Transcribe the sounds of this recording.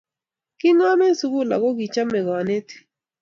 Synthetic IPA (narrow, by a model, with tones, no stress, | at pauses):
kɪ˦ŋɔ˦mɛ˦n˦su˦ɡu˦la̰˨kɔ˦ɡi˨t͡ʃa˦mɛ˨ɡɔ˨ne˦t